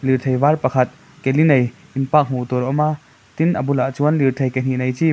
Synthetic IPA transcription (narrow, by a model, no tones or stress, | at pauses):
liɾt̪ʰɐjvarpɐkʰɐt̪̚ | kelinɐj | inpak̚ɦut̪ɔɾɔma | t̪inʔɐbulaʔt͡suənliɾt̪ʰejken̥iʔnɐjt͡si